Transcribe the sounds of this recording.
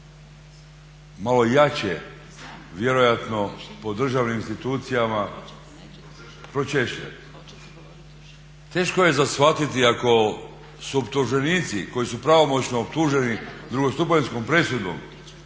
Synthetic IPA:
malo̞jat͡ɕe | ʋje̞ɾo̞jat̪no̞po̞d̪r̩ʒaʋniminst̪it̪uːt̪sijama | pɾo̞t͡ʃeʃḛ | t̪e̞ːʃkoje̞zasʋat̪it̪iako̞ | suopt̪uʒe̞niːt̪siko̞jisupɾaʋo̞mo̞t͡ɕnoːp̚t̪uːʒe̞nid̪ɾuɡo̞st̪up̬ensko̞mpɾe̞sud̪o̰m

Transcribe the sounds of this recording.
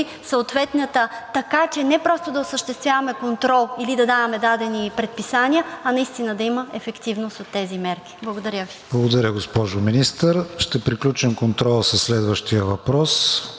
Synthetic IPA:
səot̪vɛt̪nət̪ət̪ɐkat͡ʃɛnɛpɾɔst̪od̪ɐosəʃt̪ɛst̪vjavɐmɛkont̪ɾɔlˠilid̪ɐd̪avɐmɛd̪ad̪ɛnipɾɛt̪̚pisaniəɐnɐist̪inəd̪ɐiməɛfɛkt̪ivnost̪ot̪ːɛzimɛɾk̟i̥blˠɐɡod̪ɐɾʲjəviblˠɐɡod̪ɐɾʲəɡospɔʒʊminist̪əɾʃt̪ɛpɾiklʲut͡ʃɛmkont̪ɾɔlˠəsəslɛd̪vəʃt̪ijəvɐpɾɔs

